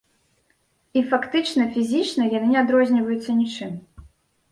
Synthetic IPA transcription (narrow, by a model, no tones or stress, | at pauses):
ifakt̪ɨt͡ʂnɐfʲizʲit͡ʂnɐjanɨnʲɛad̪ɾɔzʲnʲivɐjut̪sːɐnʲit͡ʂɨm